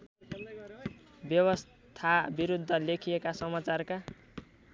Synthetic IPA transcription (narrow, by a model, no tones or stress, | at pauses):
bjʌwʌs | t̪ʰabiɾud̪ʱːʌlekʰijekasʌmat͡sarka